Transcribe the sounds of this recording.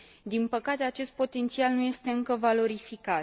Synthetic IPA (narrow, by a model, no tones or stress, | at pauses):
d̪inpəkat̪e̞at͡ʃe̞st̪̚po̞t̪e̞nt̪sialnuje̞st̪e̞ɨŋkəvalo̞ɾifikat̪